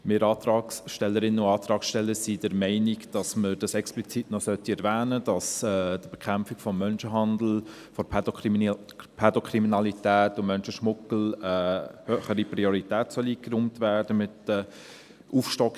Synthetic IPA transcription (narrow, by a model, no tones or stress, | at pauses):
mɪɾɑːt̪ɾɑːksʃtɛlːəɾɪnːənʊɑːt̪ɾɑːksʃtɛlːəɾsid̥ɛɾmɛɪniɡd̥ɑsməd̥ɑsɛksplit͡sitnɔsœtiɛɾvæːnəd̥ɑsɛd̥əb̥ɛkʰχæmpfɪɡ̥fɔmːœnʃəɦɑndl̩ | fɔɾ | pʰɛdɔkʰriminɑlitɛːtːʊmœnʃəʃmʊkl̩əhøːχəɾipɾiɔɾitɛːtsœliːkrumtvæːɾdəmɪtə | ʔuːfʃtɔk